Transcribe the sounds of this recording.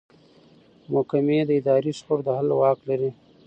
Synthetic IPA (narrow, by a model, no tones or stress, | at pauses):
mʊkamed̪əɪd̪ɑːɾisxʊɾd̪əhalwɑːklaɾi